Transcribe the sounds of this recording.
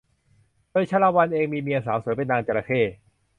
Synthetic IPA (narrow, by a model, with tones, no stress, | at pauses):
doː˧jt͡ɕʰaː˧˥laː˧wa˧nʔeː˧ŋmiː˧mi˧əsaː˩˦wsuː˨˩˦jpe˧nːaː˧ŋt͡ɕa˧la˧kʰeː˥˩